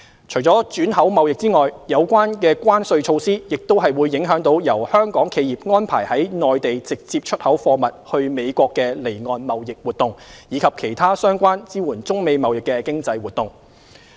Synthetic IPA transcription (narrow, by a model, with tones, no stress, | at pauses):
t͡ʃʰɵ˨˩jt͡sɔː˨˥t͡ʃyː˨˥nɦɐ˨˥wmɐ˨wjɪ˨k̚t͡siː˥ŋɔː˨jjɐ˨˧wkʷwaː˥nkɛː˧kʷaː˥nsɵ˧ɥt͡ʃʰo˧wsiː˥jɪ˨k̚t̪o˥wɦɐ˨jwuː˨˧jːɪ˨˥ŋɦœː˨˥ŋt̪o˨˧wjɐ˨˩whœː˥ŋkɔː˨˥ŋkʰe˨˧jiː˨p̚ŋɔː˥npʰa̰ː˨˩jhɐ˨˥jnɔː˨jt̪e˨jt͡sɪ˨k̚t͡siː˧p̚t͡ʃʰɵ˥t̚hɐ˨˥wfɔː˧mɐ˨t̚hɵ˧ɥme˨˧jkʷɔː˧kːɛː˧le˨˩jŋɔː˨˧nmɐ˨wjɪ˨k̚wuː˨˩t̪ʊ˨˩ŋjiː˨˧kʰɐ˨p̚kʰe˨˩jt̪ʰaː˥sœː˥ŋkʷaː˥nt͡siː˥wuː˨˩nt͡sʊ˥ŋme˨˧jmɐ˨wjɪ˨kːɛː˧kɪ˥ŋt͡sɐ˧jwuː˨t̚t̪ʊ˨ŋ